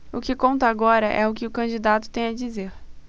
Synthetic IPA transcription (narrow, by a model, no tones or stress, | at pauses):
ʊkɪkõnt̪ɐːɡɔɾɐʔɛ̰ʊkɪʊkɐ̃d͡ʒid̪at̪ʊ̥t̪ẽj̃ɐd͡ʒizeɾ